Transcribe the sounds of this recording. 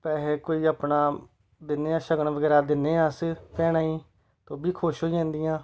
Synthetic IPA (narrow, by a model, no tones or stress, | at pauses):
pɛːɦeːkoːiːaːpnaː | d̪ɪnːeːãːʃəɡəɳʋəɡɛːɾaːd̪ɪneːãːspɛːɽaːĩː | t̪õːbiːkʰoːʃɦoːiãːnd̪ijãː